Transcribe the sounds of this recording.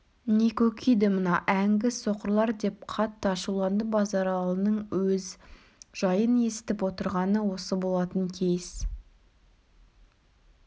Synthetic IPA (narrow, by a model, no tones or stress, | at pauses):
ne̞kʲʰɵkʲʰijd̪ɪmənɑʔæŋɡʲɪsoqəɾlˠɑɾd̪e̞p̚qʰɑt̪ːəɑʃuwlˠɑnd̪əbɑzɑɾɑlˠənəɴwɵz | ʒ̥ɑjəne̞sɪ̥t̪ɪpwo̞t̪əɾʁɑnəwo̞səbo̞lˠɑt̪əŋkʲʰejɪs